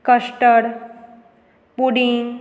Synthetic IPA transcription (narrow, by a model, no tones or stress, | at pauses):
kəʃʈəɽ | puɽiŋ